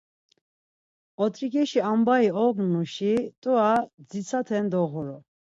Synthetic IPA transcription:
ɔt̪ʼɾikɛʃiambaiɔɡnuʃit̪ʼuad͡zit͡sʰat̪ʰɛnd̪ɔɣuɾɔ

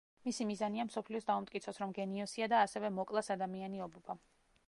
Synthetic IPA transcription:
misimizaniamsɔpʰliɔsd̪aumt̪ʼkʼit̪sʰɔsɾɔmɡɛniɔsiad̪aːsɛvɛmɔkʼlˠasad̪amianiɔbɔba

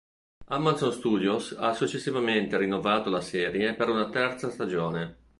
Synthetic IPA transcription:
amːansonst̪uːd̪josasːut͡ʃːesːivament̪eɾinːovaːt̪olasɛːɾjepeɾunat̪ɛrt̪sast̪ad͡ʒoːne

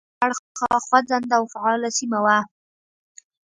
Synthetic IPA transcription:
aɽɑxwad͡zand̪awfaɑlasimawa

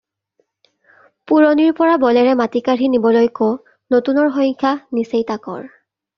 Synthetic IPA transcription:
puɹoniɹpɔɹabɔlɛɹɛmatikaɹinibɔlojko | notunɔɹɦɔjkʰanisejtakɔ̰ɹ

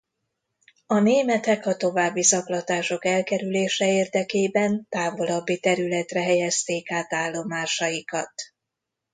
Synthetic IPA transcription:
ɒneːmɛt̪ɛkɒt̪o̞vaːbːisɒklɒt̪aːʃo̞kɛlkɛɾyleːʃɛeːrd̪ɛkeːbɛnt̪aːvo̞lɒbːit̪ɛɾylɛt̪rɛɦɛjɛst̪eːkaːt̪aːlːo̞maːʃɒjikɒt̪

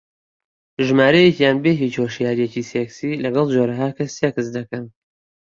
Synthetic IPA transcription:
ʒɨmaːɾɛjecjaːnbeɦit͡ʃhoʃjaːɾijeciːseksiːlɐɡɑlˠd͡ʒoːɾɐɦaːkʰɐsːekɨs̬d̪ɐkɐn

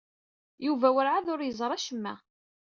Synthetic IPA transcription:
juvæwəɾʕaðʊɾjəzˤɾˤɑʃəmːæ̰

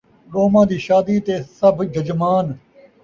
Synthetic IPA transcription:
ɾoːmãːd̪iːʃaːd̪iːt̪eːsəbd͡ʒʱəd͡ʒmaːn

